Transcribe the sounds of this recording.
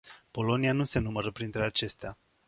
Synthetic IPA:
po̞lo̞nianuse̞numəɾəpɾint̪ɾe̞at͡ʃe̞st̪ea

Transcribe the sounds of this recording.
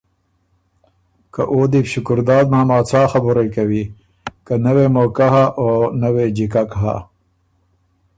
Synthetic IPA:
kɐʔoːd̪ipɕukʊɾd̪aːd̪maːmaːt͡sʰaːxɐbuɾejkɐwi | kɐnɐwemoːkaɦaʔonɐwed͡ʑikakɦa̰

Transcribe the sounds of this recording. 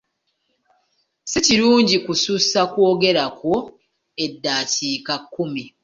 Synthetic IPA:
siciɾuːɲɟikususakwoːɡe̞ɾako̞ | e̞dːaːtiːkakːumi

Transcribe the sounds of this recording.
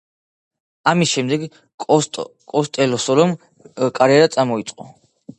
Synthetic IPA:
amisʃɛmd̪ɛɡ | kʼɔst̪ʼɛlɔsɔlɔm | kʼaɾɛɾat̪sʼamɔit̪sʼqʼɔ

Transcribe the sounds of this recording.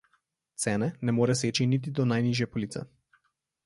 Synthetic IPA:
t̪sɛːnɛnɛmoːɾɛs̬eːt͡ʃinit̪̬id̪ɔnajniːʒjɛpɔliːt̪sɛ̰

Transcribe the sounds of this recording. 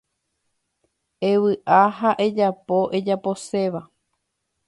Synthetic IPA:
e̞ʋɨʔaɦaʔe̞d͡ʒapo̞ʔed͡ʒapo̞se̞ʋa

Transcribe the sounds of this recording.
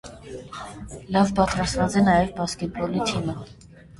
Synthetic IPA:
lɑvpɑt͡sʰɾɑsvɑt͡sɛnɑjɛvbɑskɛt̪̚bɔlit̪ʰinɑ

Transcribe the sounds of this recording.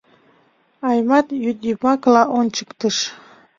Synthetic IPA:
ɑjmɑt̪jyd̪imɑklɑʔont͡ɕə̥kt̪əʃ

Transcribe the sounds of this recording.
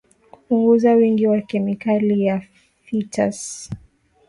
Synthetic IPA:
ku̥puŋɡuzawiŋɡiwakɛmikalija | fitʰa̰s

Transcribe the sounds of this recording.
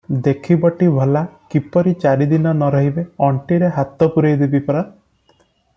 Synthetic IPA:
d̪ekʰibɔʈibʱɔlakipɔɾit͡ʃaɾid̪inɔnɔɾɔɦibeɔɳʈiɾeɦat̪ɔpuɾɔjd̪ibipɔɾɔ

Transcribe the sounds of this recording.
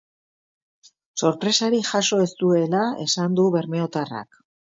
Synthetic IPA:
so̞ɾpɾe̞saɾixaso̞e̞st̪ue̞lae̞sand̪uβe̞ɾme̞o̞t̪ara̰k

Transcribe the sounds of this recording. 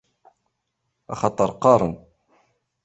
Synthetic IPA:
ʔɑxɑt̪ˤːɑɾˤqɑɾˤən

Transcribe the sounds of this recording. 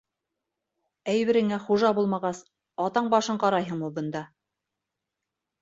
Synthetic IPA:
æjbɘ̆ɾɘ̆ŋæχuʒɑbulˠmɑʁɑs | ɑt̪ɑɴbɑʃɤɴqɑɾɑjɦɤɴmubɤ̆nd̪ɑ

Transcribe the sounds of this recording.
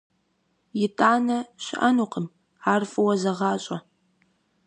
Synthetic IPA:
jɪtʰʼaːnɐɕɪ̰ʔɐnuːqʰəm | aːrfʼɨwɐzɐʁɑːɕʼɐ

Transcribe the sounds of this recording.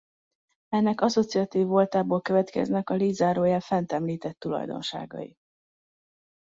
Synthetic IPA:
ɛnːɛkɒso̞t̪siɒt̪iːvːo̞lt̪aːboːlkøvɛt̪kɛ̰znɛkɒliːzaːɾoːjaːfɛnt̪ɛmliːt̪ɛt̪ːulɒ̰jd̪o̞̰nʃa̰ːɡɒ̰jḭ

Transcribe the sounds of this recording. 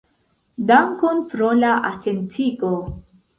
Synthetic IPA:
daŋkonpɾolaʔatentʰiko

